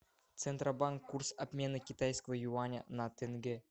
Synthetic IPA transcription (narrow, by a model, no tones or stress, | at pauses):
t̪t͡s̪ent̪rabɑŋkːursapʲmʲenɤkʲit̪ɑjskəvə̆juɑnʲenɑt̪ʲɘ̆ŋɡʲɘ̆